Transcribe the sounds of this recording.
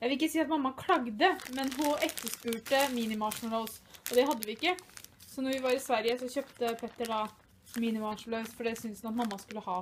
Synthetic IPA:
jæɪʋɪlɪkːəsiːɑt̪mɑmːɑkʰlɑɡd̪əmɛnɦʊɛkt̪ːəʂpʉːʈəmiːnɪmɑʂnəlɑɔsʔɔd̪ɛɦɑd̪ːəʋɪɪkːəsɔnɔɾʋɪʋɑɾɪsʋæɾjəsɔçøːpt̪əpʰɛt̪ːəɖɑ | miːnɪmɑʂnlœsfɔɖɛsʏnsɑt̪mɑmːɑskʉlːəhɑː

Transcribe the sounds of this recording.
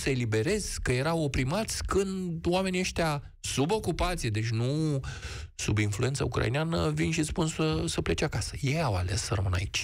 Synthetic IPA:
səelibe̞ɾe̞z̥kəje̞ɾawo̞pɾimat̪sʲkɨndd̪oame̞nieʃt̪ea | subo̞kupat̪sijed̪e̞t͡ʃʲnu | subinflue̞nt̪sə̰ukɾa̰ḭneanəvinʃispunsəsəplet͡ʃakasə̥jejawa̰lessərəmɨna̰it͡ʃʲ

